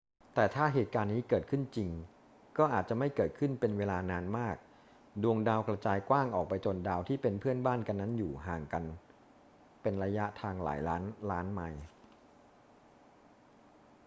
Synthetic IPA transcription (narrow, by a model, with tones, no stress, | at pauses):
t̪ɛː˨˩t̪ʰaː˥˩ɦeː˨˩t̪̚kaː˧nːiː˦˥kɤː˨˩t̪̚kʰɯ˥˩nt͡ɕi˧ŋ | kɔː˥˩ʔaː˨˩t̪̚t͡ɕa˨˩ma˥˩jkɤː˨˩t̪̚kʰɯ˥˩npe˧nweː˧laː˧naː˧nmaː˥˩k̚ | du˧əŋdaː˧wkɾa˧t͡ɕaː˧jkwaː˥˩ŋʔɔː˨˩k̚pa˧jt͡ɕo˧ndaː˧wt̪ʰiː˥˩pe˧npʰɯ˥˩ənbaː˥˩nka˧nːa˦˥njuː˨˩ɦaː˨˩ŋka˧n | pe˧nɾa˧ja˦˥ʔt̪ʰaː˧ŋla̰ː˩˦jlaː˦˥nlaː˦˥nma˧j